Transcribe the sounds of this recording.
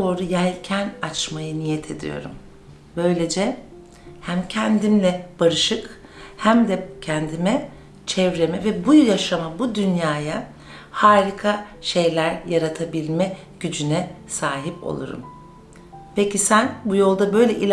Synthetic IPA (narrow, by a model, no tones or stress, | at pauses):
ooɾujælʲcʰænat͡ʃmajɯnijɛt̪ʰe̞d̪ḭjo̞̰ɾṵm | bø̞jlʲe̞d͡ʒɛ | hæmcʰɛnd̪imlʲɛb̥aɾɯʃɯk | hæmd̪ɛcʰɛnd̪imɛ | t͡ʃʰɛvɾe̞mɛvɛbujaʃamabud̪ynjaːja | haːɾikʰaʃe̞jlʲæɾjaɾat̪ʰabilʲmɛ | ɟ̥yd͡ʒynɛ | saːɦipo̞̰lˠṵɾṵm | pʰecisænbujo̞lˠd̪abø̞jlʲɛʔilʲ